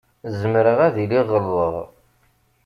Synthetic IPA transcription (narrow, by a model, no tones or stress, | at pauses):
zəmɾəʁæðiliʁəlːəðˤ